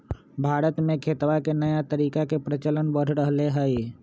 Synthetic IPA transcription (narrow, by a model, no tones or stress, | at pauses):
bʱaːɾət̪mẽkʰeːt̪wakenəjat̪əɾiːkakepɾət͡ʃələnbəɽ̤ʱɾəɦleɦɛe